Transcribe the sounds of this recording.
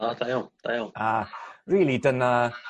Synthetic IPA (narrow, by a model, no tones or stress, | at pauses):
ɔdajod̥ajoariːlˠidəna